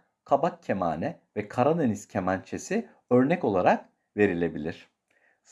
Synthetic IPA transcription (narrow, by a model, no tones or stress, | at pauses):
kʰabakcʰːema̰ːnɛ | vɛkʰaɾad̪eniscʰemant͡ʃʰe̞si | ø̞ɾnɛco̞lˠaɾak̚ | ve̞ɾilʲe̞bilʲiɾ̝̥ | s